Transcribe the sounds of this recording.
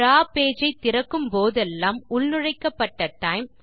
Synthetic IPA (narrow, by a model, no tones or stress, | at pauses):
ɾaːpeːd͡ʒɐɪt̪ːɪɾɐkːɯmpoːðɛlːaːmʊɭnɯɻɐɪkːɐpːɐʈːɐʈːɐɪm